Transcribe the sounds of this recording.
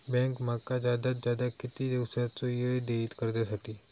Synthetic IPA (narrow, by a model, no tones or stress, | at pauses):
bɛ̃ŋkmakad͡zjad̪at̪zjad̪akɪt̪id̪iwsɾat͡sojəd̪eit̪kəɾd̪jasaʈiː